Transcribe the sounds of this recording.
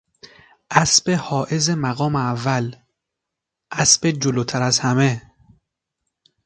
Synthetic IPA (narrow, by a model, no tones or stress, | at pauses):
ʔæsb̥ehɒːʔezemæɣɒːmeævːæl | ʔæsbed͡ʒoloːt̪ʰæɾæzhæme